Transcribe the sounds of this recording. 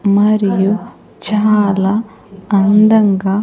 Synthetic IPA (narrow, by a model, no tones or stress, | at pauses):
mɐɾiju | t͡ʃaːlɐː | nd̪ɐŋɡɐ